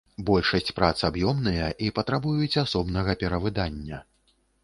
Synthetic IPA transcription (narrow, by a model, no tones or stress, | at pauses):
bɔlʲʂɐsʲt͡sʲpɾat̪sɨabjɔmnɨjɐʔipɐt̪ɾabujut͡sʲasɔbnɐɣɐpʲɛɾɐvɨd̪anʲːɐ